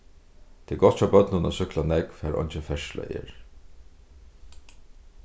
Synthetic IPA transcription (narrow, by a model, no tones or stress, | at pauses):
t̪ʰɪːɡɔt̪ʰabœt̪nəna̰sʏklanɛkfæːɾʔɔ̰jnt͡ʃɪfɛʃla̰ʔḛːɹ